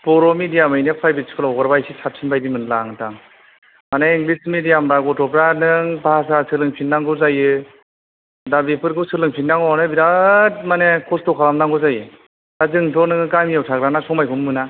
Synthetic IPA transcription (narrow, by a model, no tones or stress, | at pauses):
pɔɾɔmidijamɯjnepʰajbiskʰɯlawɡɯɾbajsisʰap̚sʰinbajdimɯnlaŋtaŋ | maneiŋɡlismidijamɾaɡɔtʰɔpɾanɯŋbaasasɯlɯŋpʰindaŋɡɯzajɯ | dabipʰɯɾkʰɯwsɯlɯŋpʰindaŋɔanɯbidatmanekʰɔstɔkʰalamdaŋɡɯzajɯ | dazɯŋtʰɔnɯŋɯkamijawtʰakɾanasʰɔŋmajkʰummɯna